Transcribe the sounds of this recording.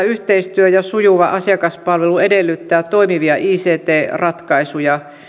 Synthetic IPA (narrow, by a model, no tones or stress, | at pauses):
yht̪eist̪yøjɑsujuʋɑʔɑsiɑkɑspɑlʋeluedelːyt̪ːæːtt̪oimiʋiɑʔiːseːt̪eːrɑt̪kɑisujɑ